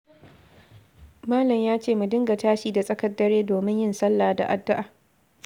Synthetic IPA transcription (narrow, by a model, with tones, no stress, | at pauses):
maː˦lɐ˨mjaː˦t͡ʃeː˦˨mu˨dɪ˦ŋɡa˨taː˦ʃiː˨da˨sʼɐ˦kɐ˦dːɐ˦ɾeː˦doː˨mɪ˦ɲjɪ˦nsɐ˦lːaː˨da̰˨ʔa˨dːʊ˦ʔaː˨